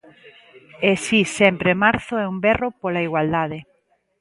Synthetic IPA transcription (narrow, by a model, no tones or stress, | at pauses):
esisɛmpɾemaɾθʊɛumbɛropolaiɣwald̪aðe